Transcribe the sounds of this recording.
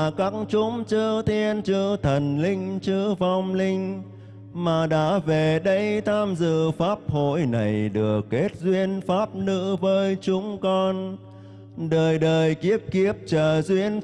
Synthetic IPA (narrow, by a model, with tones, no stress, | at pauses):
ka˦˥ŋt͡ɕʊ˨˦ŋ͡mt͡ɕɨ˧t̪i˧ənt͡ɕɨ˧˥t̪ʰə˨˩nlï˧ŋ̟t͡ɕɨ˧va˧wŋ͡mlï˧ŋ̟ | maː˨˩ɗa̰ː˧˥ve˨˩ɗə˧jt̪ʰaː˧mzɨ̰˧˨faː˦˥p̚ho̰˧˨jna˨˩jɗɨ˨˩əkːe˦˥t̚zwi˧ənfaː˦˥p̚nɨ̰˧˥vəː˨˦jt͡ɕʊ˨˦ŋ͡mkɔ˧n | ɗəː˨˩jɗəː˨˩jki˦˥əp̚ki˦˥əp̚t͡ɕəː˨˩zwi˧ən